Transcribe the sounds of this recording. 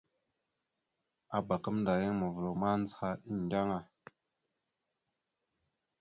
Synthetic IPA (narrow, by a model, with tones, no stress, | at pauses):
a˨ba˨kə˦mnda˨je˦ŋmə˨və˨ɾo˨ma˦n˦zha˦i˦n˨da˦ŋa˨